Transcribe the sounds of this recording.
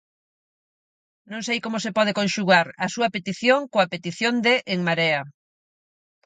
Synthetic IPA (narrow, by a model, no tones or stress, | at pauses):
nõŋsejkomosepɔð̞ekõnʃuɣaɾɐsuɐpet̪iθjoŋkoapet̪iθjond̪eʔeŋmaɾea